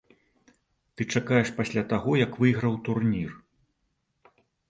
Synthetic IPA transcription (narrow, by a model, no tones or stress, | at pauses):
t̪ɨt͡ʂakajɛʂpasʲlʲat̪aɣɔjɐkvɨjɣɾɐwt̪urnʲir